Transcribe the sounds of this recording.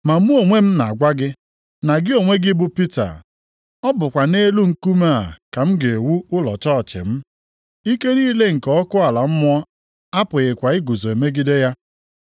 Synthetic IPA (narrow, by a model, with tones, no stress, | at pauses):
ma˨m̩˦u˦o˨ŋʷe˦m̩˦na˨ɡʷa˦ɡɪ˦ | na˨ɡɪ˦o˨ŋʷe˦ɡɪ˦bʊ˦pi˦ta̰˨ | ɔ˦bʊ˨kʷa˨ne˦lu˦ŋ̩˦˨ku˦ma˦a̰˨ka˨m̩˦ɡe˨e˨wu˦ʊ˦lɔ̰˨t͡ʃɔ˦˨t͡ʃɪ̰˨m̩˦ | i˦ke˦ɾi˦le˦ŋ̩˨kɔ˦ɔ˦kʊ˦a˨la˨m̩˦mʊ˦ɔ˦ | a˦pʊ˨ɣɪ˨kʷa˨ɪ˦ɡu˨zo˨e˨me˦ɡi˦de˦ja˦